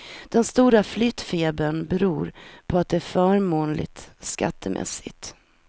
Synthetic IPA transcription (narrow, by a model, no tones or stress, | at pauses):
d̪̥ɛnst̪uːɾaflyt̪feːbənbɛɾuːɾpʰɔat̪̚d̪ɛæːɾfœːɾmoːnlɪ̰t̪ska̰t̪ʰːəmʔɛ̰sːɪ̰t̪